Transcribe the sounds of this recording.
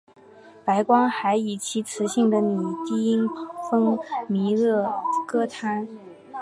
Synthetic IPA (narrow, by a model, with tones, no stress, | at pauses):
pa˧˥ɪkwɑ˥ŋxa˧˥ɪi˨˩t͡ɕʰi˧˥t͡sʰɹ̩˧˥ɕi˥˩ŋd̪ə˨ni˨˩t̪i˥˩i˥ŋfɤ˥ŋmi˧˥lɤ˥˩kɤ˥t̪ʰa˥n